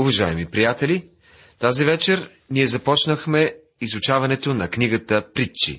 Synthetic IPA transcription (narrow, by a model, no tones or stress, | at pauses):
uvɐʒaɛmipɾijat̪ɛlʲi | t̪azivɛt͡ʃɛɾ | niɛzɐpɔt͡ʃnəxmɛ | izʊt͡ʃavɐnɛt̪onɐkniɡət̪əpɾit͡ʃːḭ